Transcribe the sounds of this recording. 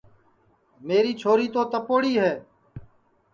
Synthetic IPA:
meːɾiːt͡ʃʰoːɾiːt̪oːt̪əpoːɽiːɦɛː

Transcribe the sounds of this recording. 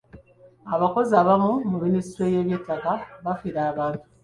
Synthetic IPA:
aβako̞ziaːβamumuministiɾoje̞ːβje̞tːakaβafiɾaːβaːntu̥

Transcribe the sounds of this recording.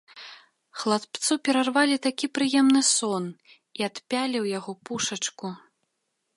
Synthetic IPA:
xlˠat̪pt̪supʲɛɾarvalʲit̪akʲipɾɨjɛmnɨsɔn | iat̪pʲalʲiwjaɣɔpuʂɐt͡ʂku

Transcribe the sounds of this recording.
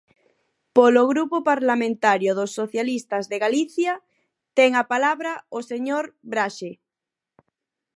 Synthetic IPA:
poloɣɾupopaɾlamẽnt̪aɾjoðosːoθjalist̪azðeɣaliθja | t̪ɛŋapalaβɾaoseɲoɾbɾaʃe

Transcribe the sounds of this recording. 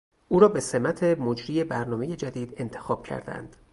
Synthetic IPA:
ʔuːɾɒːbe̞se̞mæt̪ʰe̞mod͡ʒɾiːe̞bæɾnɒːmeje̞d͡ʒæd̪iːd̪e̞nt̪ʰexɒːb̥̚cʰæ̰ɾd̪æ̰nd̪̥

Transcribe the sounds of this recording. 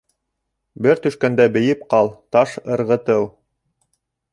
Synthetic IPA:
bɘɾt̪ɵ̆ʃkænd̪æbɘ̆jɘp̚qɑlˠt̪ɑʃɤ̆ɾʁɤ̆t̪ɤlˠ

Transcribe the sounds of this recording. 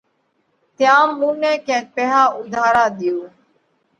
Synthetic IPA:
t̪jãːmːuːnẽːkẽːt̪̚pɛːɦaːʊd̪ʱaːɾãːɗ̪ɪjuː

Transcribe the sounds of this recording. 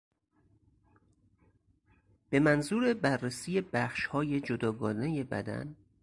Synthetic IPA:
b̥e̞mænzuːɾe̞bærːesiːje̞bæxʃhɒːje̞d͡ʒod̪ɒːɡɒːne̞jebæ̰d̪æ̰n

